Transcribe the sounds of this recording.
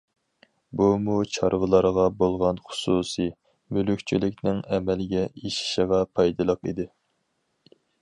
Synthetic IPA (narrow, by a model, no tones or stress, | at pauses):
bumut͡ʃʰɑɾʁəlˠɑɾʁɑbolˠʁɑnχʊ̥susi | mylykʲt͡ʃʰilɪkʲnɪŋɛmɛlɪɡʲɛʔiʃi̥ʃəʁɑpʰɑjd̪ɨlˠəqḭd̪ɪ